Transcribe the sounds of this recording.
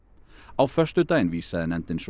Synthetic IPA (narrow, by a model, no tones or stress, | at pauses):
ɑːʋfœʃtəd̪ʰæɪnʋiːsəɛnɛnt̪ənʃ